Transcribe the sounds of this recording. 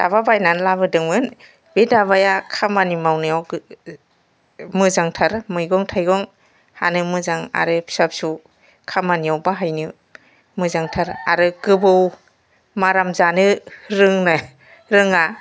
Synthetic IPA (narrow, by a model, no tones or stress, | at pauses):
da̰βabajnanlabɯdɯŋmɯn | bedaβajakʰamanimawnɯjaw | mɯzaŋtʰaɾmɯjɡɔŋtʰajɡɔŋ | ha̰nɯmɯzaŋa̰ɾɯpʰsap̚su | kʰamaniawbaɦajnɯ | mɯzaŋtʰaɾaɾɯɡɯbɯw | maɾamzanɯɾɯŋna | ɾɯŋa